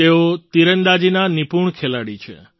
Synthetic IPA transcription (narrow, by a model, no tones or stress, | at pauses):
eot̪iɾənd̪ad͡ʒinanipuɳkʰelaɽit͡ʃʰḛ